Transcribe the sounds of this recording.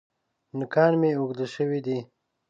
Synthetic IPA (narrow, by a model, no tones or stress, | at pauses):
nɪkɑnmeuɡd̪əʃəwid̪i